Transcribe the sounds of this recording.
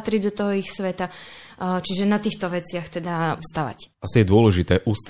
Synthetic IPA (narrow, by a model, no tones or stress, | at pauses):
t̪ɾiɟd̪ɔt̪ɔɦɔixsʋɛt̪a | t͡ʃiʒɛnat̪iːxt̪ɔʋɛt͡sɪaxt̪ɛd̪afst̪aʋa̰casijɛd̪ʊɔlɛʒit̪ɛːʔuːst̪